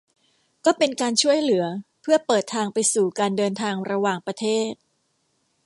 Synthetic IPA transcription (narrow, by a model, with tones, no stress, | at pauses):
kɔː˥˩pe˧nkaː˧nt͡ɕʰu˥˩əjlɯ˩˦ɐpʰɯ˥˩ɐpɤː˨˩t̪ʰːaː˧ŋpa˧jsuː˨˩kaː˧ndɤː˧nt̪ʰaː˧ŋɾa˧waː˨˩ŋpɾa˧t̪ʰeː˥˩t̪̚